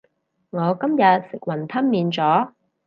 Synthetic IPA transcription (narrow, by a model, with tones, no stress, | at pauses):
ŋɔː˨˧kɐ˥mjɐ˨t̚sɪ˨k̚wɐ˨˩nt̪ʰɐ˥nmiː˨˧nt͡sɔː˨˥